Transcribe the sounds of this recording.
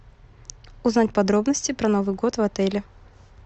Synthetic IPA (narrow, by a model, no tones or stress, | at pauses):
ʊznatʲpɐd̪ɾo̞bnəsʲtʲɪpɾɐno̞vɨjɡo̞t̪vɐt̪ɛlʲɪ